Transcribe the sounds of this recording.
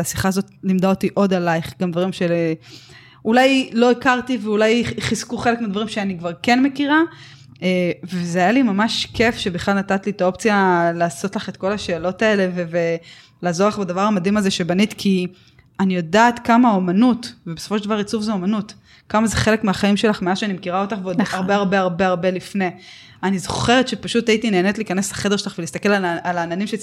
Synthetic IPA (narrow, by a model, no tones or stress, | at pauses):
asiχaːzo̞tnimdaotiʔo̞d̪alajχɡamd̪vaʁimʃe | ʔulajlo̞ikaʁtiveulajχiz̥kuχe̞le̞kmeadvaʁimʃeanikvaʁke̞nme̞kiʁa | evezeajalimamaʃke̞fʃe̞biχlalnatatlitao̞pt͡sijalaːso̞tlaχe̞tko̞laʃe̞ːlo̞tae̞le̞veve | laːzo̞laχbadavaʁamadimazeʃe̞banit̪kʰi | anijo̞daːtkamao̞manutvebesofo̞ʃeldavaʁit͡sufzeo̞manut | kamazeχe̞le̞kmeaχaimʃe̞laχmeaʃeanimekiʁao̞taχveodaʁbeaʁbe̞aʁbeaʁbe̞lifne̞ | anizoχe̞ʁet̪ʃepaʃutaitineːne̞tliːkaneselḁχe̞deʃelaχvelist̪ake̞laalaːnanimʃe